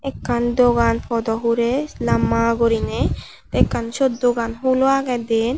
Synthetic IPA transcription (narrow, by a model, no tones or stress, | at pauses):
ekːand̪oɡanpʰɔd̪ɔɦuɾelamːaɡoɾine | t̪ekːanʃɔd̪doɡanɦuloaɡɛd̪en